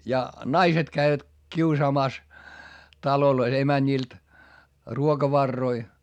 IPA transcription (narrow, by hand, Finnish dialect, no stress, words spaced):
jɑ nɑiset kæiʋæt kiusɑːmɑˑs tɑlolois emænʲiˑlt ruokɑʋɑrːoi